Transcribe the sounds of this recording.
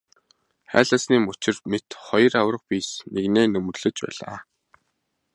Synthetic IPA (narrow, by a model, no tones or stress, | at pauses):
χæ̰ːɮăːsniːmɵt͡ɕɪ̆rmet̪χɔj̆rawrə̆q̚piːsneɣneːnɵm̆rɮɘ̆t͡ɕpæ̰ːɮa̰ː